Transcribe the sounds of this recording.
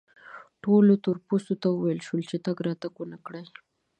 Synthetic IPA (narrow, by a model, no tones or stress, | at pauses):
ʈolot̪ʊɾposot̪awəwajəlʃwəlt͡ʃet̪aɡɾɑt̪aɡwənakɽəj